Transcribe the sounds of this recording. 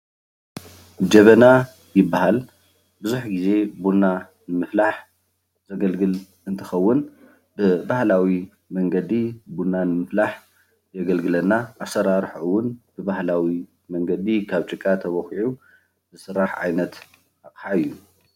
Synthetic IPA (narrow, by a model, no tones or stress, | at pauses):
d͡ʒɐβɐna | jɪbːaɦal | bɨzuħɡize̞bunːa | nɨmɨflaħ | z̥ɐɡɐlɡɨl | ɨnt̪ʰɨxɐwːʊn | bɨbahlawi | mɐŋɡɐd̪ibunːanɨmɨflaħ | jɐɡɐlɡɨlɐnːaʔasɐɾaɾħʔuwːʊnbɨbahlawi | mɐŋɡɐd̪ikʰaβt͡ʃʼɨkʼːat̪ʰɐβɐxiʕu | bɨsɨɾːaħʕa̰jnɐt̪ | aqʼħaɨjːu